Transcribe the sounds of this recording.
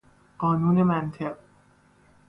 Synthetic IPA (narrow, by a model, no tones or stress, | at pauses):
ɢ̥ɒːnuːne̞mænt̪ʰe̞ɢ